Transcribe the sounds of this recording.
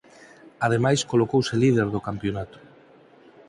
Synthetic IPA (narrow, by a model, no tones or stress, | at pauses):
að̞emajskolokowselið̞eɾðokampjonat̪o̥